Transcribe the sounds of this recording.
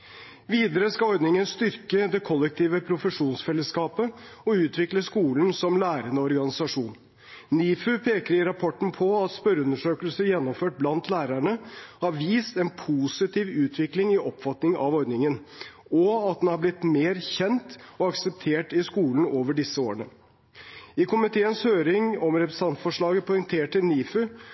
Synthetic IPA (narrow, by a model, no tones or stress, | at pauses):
ʋiːd̪əɾəskɑɔɾd̪nɪŋənst̪ʏɾkəd̪ɛkʰɔlːɛk̚t̪ʰiːʋəpʰɾʊfəʂuːnsfɛlːəskɑːpəɔʉːt̪ʰʋɪkləskuːln̩sɔmlæːɾənəɔɾɡɑnɪsɑʂuːn | niːfʉpʰeːkəɾɪɾɑpʰɔʈːn̩pʰɔɑt̪spœɾʉnəʂøːkəlsəjɛnːɔmføːʈ̚blɑnt̪ʰlæːɾæɳəhɑɾʋiːst̪ɛnpʰuːsɪt̪iːʋʉːt̪ʰʋɪklɪŋɪʔɔpfɑt̪nɪŋɑ̰ʋɔɾd̪nɪŋən | ɔɑt̪̚d̪ɛnhɑɾblɪt̪meːɾçɛnt̪ɔɑksɛp̚t̪ʰeːʈɪskuːln̩oːʋəɖɪsːəo̰ːɾəɳə | ɪkʰʊmɪt̪ʰeːənshøːɾɪŋɔmɾɛpɾəsɑnt̪fɔʂɭɑːɡəpʰɔʏŋt̪ʰeːʈʈːɪlniːfʉ